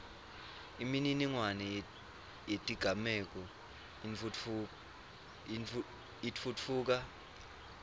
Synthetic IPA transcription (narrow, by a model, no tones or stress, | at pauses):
imininiŋwanɛ | jetʼiɡ̥ʱamɛk̬ʼɔ | itfutʰfuːk̬a